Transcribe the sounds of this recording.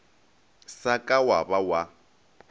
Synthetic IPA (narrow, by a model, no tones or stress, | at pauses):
sakʼawabawa